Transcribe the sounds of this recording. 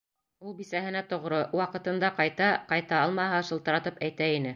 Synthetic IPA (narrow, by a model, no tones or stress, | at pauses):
ulˠbisæɦɘ̆næt̪ŏʁɾowɑqɤ̆t̪ɤ̆nd̪ɑqɑjt̪ɑqɑjt̪ɑɑlˠmɑɦɑʃɤ̆lˠt̪ɤ̆ɾɑt̪ɤpæjt̪æinɘ